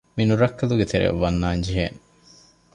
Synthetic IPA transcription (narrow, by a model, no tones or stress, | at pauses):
minuɾɐkːɐluɡet̪ʰeɾḛʋːɐnːaːɲd͡ʒiɦen